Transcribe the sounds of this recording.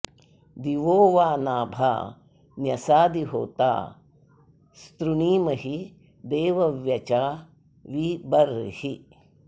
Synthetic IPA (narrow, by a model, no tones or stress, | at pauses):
d̪iʋoːʋaːnaːbʱa̰ː | njɐsaːd̪iɦo̰ːt̪a̰ː | st̪ɾuniːmɐɦi | d̪eːʋɐʋjɐt͡ʃaː | ʋibɐɾhi